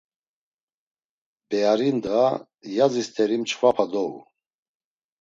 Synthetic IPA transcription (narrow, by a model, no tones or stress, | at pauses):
bɛaɾind̪ʁa | jazist̪ʰɛɾimt͡ʃʰvapʰad̪ɔṵ